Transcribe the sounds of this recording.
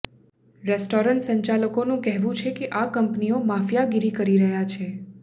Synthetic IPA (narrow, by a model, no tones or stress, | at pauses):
ɾɛsʈoɾəɳʈsəɲt͡ʃaləkonũkɛɦʋũt͡ʃʰekeʔakəmpniomafjaɡiɾikəɾiɾəɦjat͡ʃʰe